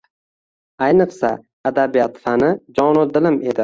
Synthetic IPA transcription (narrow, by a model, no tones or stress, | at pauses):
ajnɨqsa̰ː | d̪abijat̪fanɪd͡ʒɒnʊd̪ɪlɪme̞d̪ɪ